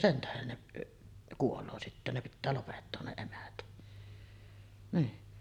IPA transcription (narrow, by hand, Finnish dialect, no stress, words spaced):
sen tæhen neʔ kuoloː sitːæ ne pitːæː lopetːoːn ne niː